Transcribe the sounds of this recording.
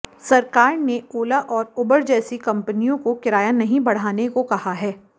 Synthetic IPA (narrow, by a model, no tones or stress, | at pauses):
sɐɾkaːɾneoːlaʔɔːɾʊbəɾd͡ʒɛːsikɐ̃mpənijõkokɪɾaːjanɐɦĩbɐɽ̤aːnekokɐhaɦɛː